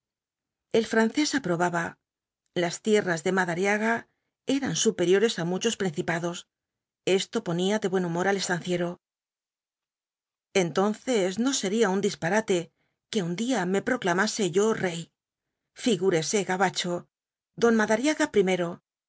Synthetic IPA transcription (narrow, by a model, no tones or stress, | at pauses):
e̞lfɾan̟θe̞sapɾo̞βaβa | last̪je̞razðe̞maðaɾjaɣa | e̞ɾansupe̞ɾjo̞ɾe̞samut͡ʃo̞spɾin̟θipaðo̞s | e̞st̪o̞po̞niaðe̞βwe̞numo̞ɾale̞st̪anθje̞ɾo̞ | e̞nt̪o̞nθe̞zno̞se̞ɾiaund̪ispaɾat̪e̞ | ke̞und̪iame̞pɾo̞klamase̞ʝo̞re̞j | fiɣuɾe̞se̞ɣaβat͡ʃo̞ | ðo̞nmaðaɾjaɣapɾime̞ɾo̞